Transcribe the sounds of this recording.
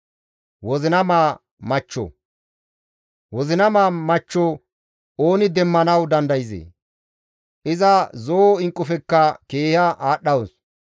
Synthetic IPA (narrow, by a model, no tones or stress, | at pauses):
wɔzɪnɐmaː | mɐt͡ʃːɔ̰ | wɔzɪnɐmaːmɐt͡ʃːɔ | oːnɪd̪ɛmːɐnɐwd̪ɐnd̪ɐjɪzḛː | ʔɪzɐzoːɪŋkʼːʊfɛkːɐkeːhɐʔaːɗːɐwɔs